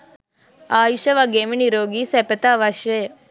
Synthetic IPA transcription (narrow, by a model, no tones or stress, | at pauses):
aːiʃɐʋaɡeːmiɳiɾoːɡisepɐt̪aʋɐʃe